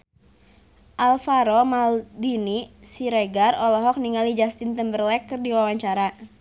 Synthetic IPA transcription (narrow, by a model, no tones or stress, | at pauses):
ʔalfaɾɔmaldinisiɾeɡarɔlɔɦɔk̚niŋalid͡ʒast̪int̪əmbərlɛkːərdiwawaɲt͡ʃaɾa